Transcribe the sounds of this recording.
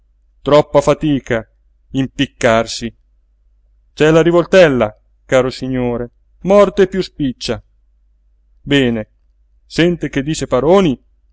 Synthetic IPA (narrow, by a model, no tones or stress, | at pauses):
t̪ɾɔpːafat̪iːka | impikːarsi | t͡ʃɛlaɾivolt̪ɛlːa | kaːɾosiɲːoːɾe | mɔrt̪epːjuspit͡ʃːa | bɛːne | sɛnt̪ek̟ed̪ːiːt͡ʃepaɾoːni